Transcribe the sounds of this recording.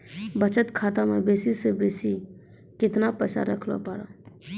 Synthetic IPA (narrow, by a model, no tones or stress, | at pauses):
bət͡ʃət̪kʰaːt̪amebeːsisebeːsi | kɪt̪napəːsa̰ɾəkʰlo̰paːɾa̰